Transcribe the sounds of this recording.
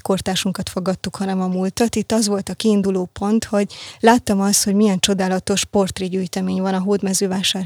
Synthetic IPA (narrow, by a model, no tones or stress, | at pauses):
ko̞rt̪aːʃuŋkɒt̪foɡɒt̪ːukhɒnɛmɒmult̪ɒt̪it̪ːɒzʋo̞lt̪ɒkiːnd̪uloːpo̞nt̪ho̞ɟlaːt̪ːɒmɒst̪ho̞ɟmijɛnt͡ʃo̞d̪aːlɒt̪o̞ʃpo̞rt̪riɟyːjt̪ɛmeːɲvɒnɒɦoːd̪mɛzøːvaːʃaːr